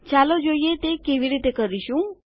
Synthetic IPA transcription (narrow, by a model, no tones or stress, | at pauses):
t͡ʃalod͡ʒojet̪ekeʋiɾit̪ekəɾiɕũ